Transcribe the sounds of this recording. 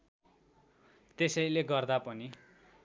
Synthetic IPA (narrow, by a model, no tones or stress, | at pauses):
t̪esʌjleɡʌrd̪apʌni